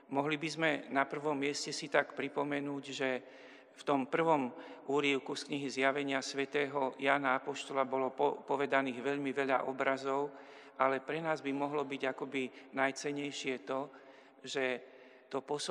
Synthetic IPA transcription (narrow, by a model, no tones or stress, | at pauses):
mɔɦlibizmɛnapr̩ʋɔmːɪɛscɛsit̪akpɾipɔmɛnuːɟʒɛ | ft̪ɔmpr̩ʋɔmuːɾiʊkuskɲiɦizjaʋɛɲɪasʋɛt̪ɛːɦɔjaːnaapɔʃt̪ɔlabɔlɔpɔʋɛd̪aniːɣʋɛʎmiʋɛʎa̰ʔɔbɾazɔʊ | ʔalɛpɾɛnaːzbimɔɦlɔbiɟakɔbinajt͡sɛɲɛjʃɪɛt̪ɔ | ʒɛ | t̪ɔpɔs